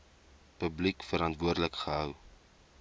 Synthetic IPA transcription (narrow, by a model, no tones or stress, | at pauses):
pəblikfəɾɐntvuərdələkχəɦœw